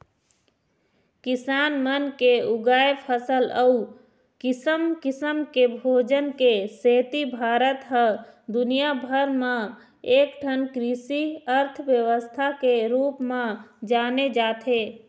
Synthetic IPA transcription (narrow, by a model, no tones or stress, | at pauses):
kɪsaːnmənkeuɡaːepʰəsələu | kɪsəmkɪsəmkebʱoːd͡ʒənkeseːt̪ibʱaːɾət̪ɦə̃d̪unijabʱəɾmẽ | ekʈʰənkɾisiəɾt̪ʰʋjəwəst̪ʰakeɾuːpmẽd͡ʒaːned͡ʒaːt̪ʰe